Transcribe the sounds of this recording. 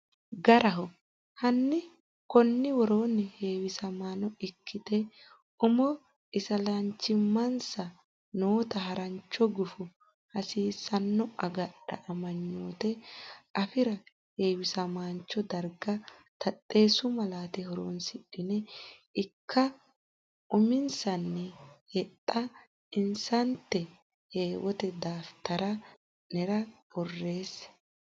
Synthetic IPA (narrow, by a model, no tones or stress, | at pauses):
ɡɐɾɐɦɔ | hɐnːɪ | kɔnːɪwɔɾo̞ːnɛhe̞ːwɪsɐmaːnɔɪkːɪt̪ɛ | ʊmɔ | ɪsɐlɐɲt͡ʃːɪmːɐnsɐ | noːt̪ɐɦɐɾɐɲt͡ʃːɔɡʊfʊ | hɐsiːsɐnːɔɐɡɐɗɐ̰ʔɐmɐɲːoːt̪ɛɐfɪɾɐ | heːwɪsɐmaːnt͡ʃːɔd̪ɐɾɡɐt̪ʰɐtʼːe̞ːsʊmɐlaːt̪ɛhɔɾo̰ːnsɪᶑɪnɛɪkʰːɐ | ʔʊmɪnsɐnːɛhɛt̪ʼːɐ | ɪnsɐnt̪ːɛ | he̞ːwɔt̪ɛd̪aːft̪ɐɾɐ | nɛɾɐbɔrːe̞ːs